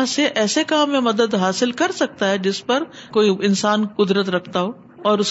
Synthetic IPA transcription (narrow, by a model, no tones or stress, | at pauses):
seʔɛːsekaːmːẽmɐd̪əd̪ɦaːsɪlkɐɾsɐk̚t̪aɦɛd͡ʒɪspɐɾkoːiɪnsaːnkʊd̪ɾət̪ɾɐkʰt̪aɦoː | ɔːɾʊs